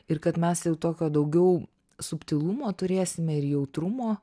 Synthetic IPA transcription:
ɪɾkɐt̪mʲɛsjɛʊt̪oːkʲoːd̪ɐʊɡʲɛʊ | sʊpʲt̪ʲɪlˠumoːt̪ʊɾʲeːsʲɪmʲɛɪɾjɛʊt̪ɾʊmoː

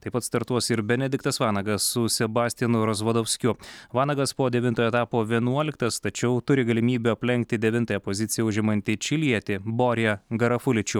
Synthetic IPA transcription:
t̪ɐɪpɐt̪st̪ɐɾt̪uɔsɪɾbʲɛnʲɛd̪ʲɪkt̪ɐsʋɑːnɐɡɐsːʊsʲɛbɑːsʲt̪ʲɛnʊɾɐzʋɐd̪oʊsʲkʲʊʋɑːnɐɡɐspoːd̪ʲɛʋʲɪnt̪oːjoːɛt̪ɑːpoːʋʲiɛnuɔlʲɪkt̪ɐst̪ɐt͡ʃʲɛʊt̪ʊɾʲɪɡɐlʲɪmʲiːbʲuɐpʲlʲɛŋʲk̚t̪ʲɪd̪ʲɛʋʲɪnt̪ɐjɛpozʲɪt̪sʲɪjɛʊʒʲɪmɐnʲt̪ʲɪt͡ʃʲɪlʲiɛt̪ʲɪboːɾʲjɛɡɐɾɐfʊlʲɪt͡ʃʲʊ

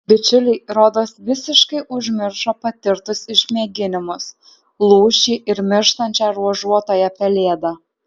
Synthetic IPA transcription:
bʲɪt͡ʃʲʊlʲɪɪɾoːd̪oːsʋʲɪsʲɪʃkɐɪʔʊʒʲmʲɪɾʃoːpɐt̪ʲɪɾt̪ʊsɪʃʲmʲeːɡʲɪnʲɪmʊs | lˠuːʃʲiːʔɪɾmʲɪɾʃt̪ɐnʲt͡ʃʲæːɾuɔʒuɔt̪oːjɛpʲɛlʲeːd̪ɐ

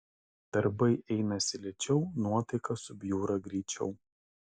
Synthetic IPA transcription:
d̪̥ɐɾbɐɪʔɛɪnɐsʲɪlʲɛt͡ʃʲɛʊnuɔt̪ɐɪkɐsʊbʲjuːɾɐɡɾʲiːt͡ʃʲɛ̰ʊ

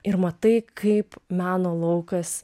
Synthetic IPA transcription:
ɪɾmɐt̪ɐɪkʰɐɪpmʲæːnoːlˠɐʊkɐs

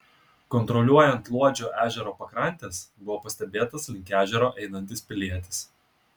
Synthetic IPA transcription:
kɔnt̪ɾɔlʲuɔjɛnt̪lˠuɔd͡ʒʲoːʔæːʒʲɛɾoːpɐkɾɐnʲt̪ʲeːsbʊʋoːpɐsʲt̪ʲɛbʲeːt̪ɐslʲɪŋʲkʲæːʒʲɛɾoːʔɛɪnɐnʲt̪ʲɪspʲɪlʲiɛt̪ʲɪ̥s

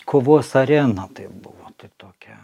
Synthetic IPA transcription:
kʰoːʋoːsɐɾʲæːnɐt̪ɐɪp̚bʊʋoːt̪ɐɪt̪oːkʲɛ

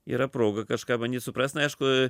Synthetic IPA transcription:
ḭːɾɐpɾoːɡɐkɐʃkɑːbɐnʲdʲiːtsʊpɾɑːsʲnɐɐɪʃkʊ

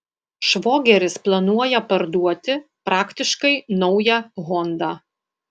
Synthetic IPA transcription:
ʃʋoːɡʲɛɾʲɪsplˠɐnuɔjɛpɐɾd̪uɔt̪ʲɪpɾɑːkt̪ʲɪʃkɐɪnɒʊjɛɣɔnd̪ɑː

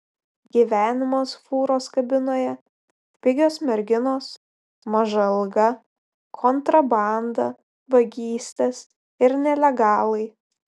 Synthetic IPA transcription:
ɡʲiːʋʲæːnʲɪmoːsfuːɾoːskɐbʲɪnoːjɛ | pʲɪɡʲoːsmʲɛɾʲɡʲɪnoːs | mɐʒɐlˠɡɐ | kʰɔnt̪ɾɐbɑˑnd̪ɐ | ʋɐɡʲiːsʲt̪ʲɛs | ɪɾnʲɛlʲɛɡɑːlˠɐɪ

